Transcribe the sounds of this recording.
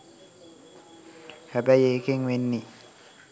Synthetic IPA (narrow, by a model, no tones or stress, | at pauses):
kʰabajekʰeŋwenːi